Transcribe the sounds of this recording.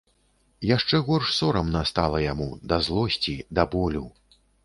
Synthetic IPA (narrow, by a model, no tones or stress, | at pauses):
jaʂt͡ʂɛɣɔrʂsɔɾɐmnast̪alˠɐjamud̪ɐzlˠɔsʲt͡sʲid̪ɐbɔlʲu